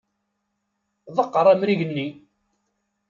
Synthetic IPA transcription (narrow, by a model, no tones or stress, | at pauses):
ðˤəqːəɾˤæmɾiʝənːi